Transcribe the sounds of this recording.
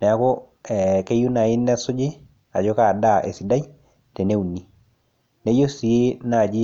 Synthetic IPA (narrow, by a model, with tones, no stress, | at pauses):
nɛ˨a˨˦kɔ˦ | ɛke˦ju˦na˨ɪ˦nːɛ˦sʊ˦d͡ʒɪ˦ | a˨d͡ʒɔ˦ka˨da˦˨ʔḛ˨si˨da˦j | tɛ˨ne˦u˨ni˨ | ne˦jo˦si˨je˦na˦˨d͡ʒi˦